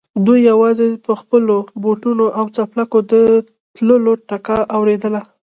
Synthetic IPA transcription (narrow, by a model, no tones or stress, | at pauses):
d̪ujːawɑzepəxpəloboʈunoʔawt͡saplakod̪ə | t̪ləloʈakaʔawɾed̪əla